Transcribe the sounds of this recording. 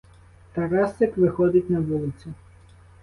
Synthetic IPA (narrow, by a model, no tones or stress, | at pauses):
t̪ɐɾɑst̪ɐkʋɪxɔd̪ɪtʲnɐʋulˠɪt͡sʲʊ